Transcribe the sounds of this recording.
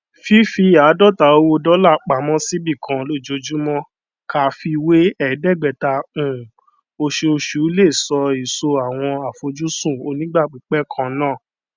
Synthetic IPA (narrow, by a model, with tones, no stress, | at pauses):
fi˦fi˧˦a˨˦dɔ˦˨ta˨˦o˧wo˧dɔ˦la˦˨k͡pa˨˦mɔ̃˦si˦bi˦˨kʰã˨lo˦˨d͡ʒo˧d͡ʒu˦mɔ̃˦ | ka˨fi˧we˦ɛ˦˨dɛ˦˨ɡ͡bɛ˨tã˧˨ | o˧ʃe˧o˧ʃu˨˦le˦˨sɔ˧i˨so˧a˨w̃ɔ̃˧a˨fo˧d͡ʒu˦sũ˦˨o˧˦nĩ˦ɡ͡ba˦˨k͡pi˨˦k͡pɛ˦kʰã˧nãː˦˨